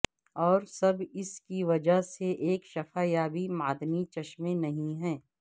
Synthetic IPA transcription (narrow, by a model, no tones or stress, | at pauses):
ɔːɾsɐbɪskiʋɐd͡ʒəɦseʔeːkʃɐfaːjaːbʱimaːd̪mit͡ʃɐʃmẽnɐɦĩɦɛ̃ː